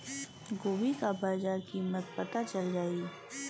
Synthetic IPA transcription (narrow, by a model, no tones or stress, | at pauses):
ɡoːbikabaːzaːɾkimət̪̚pɐt̪at͡ʃɐld͡ʒaːiː